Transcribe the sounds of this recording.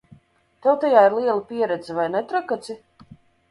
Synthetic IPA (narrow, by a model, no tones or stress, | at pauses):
t̪ɛwt̪ajaːiɾlˠiɛlˠipʲiɛɾɛd̪zivajnɛt̪ɾakat̪si